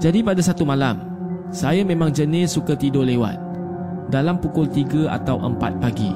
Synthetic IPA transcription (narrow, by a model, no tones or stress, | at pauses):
d͡ʒadipadasat̪umãlam | sajamẽmãŋd͡ʒənɪsːukat̪idolewa̰t̪̚ | dalampukʊlt̪iɡaʔa̰t̪awʔə̰mpa̰t̪̚paɡḭ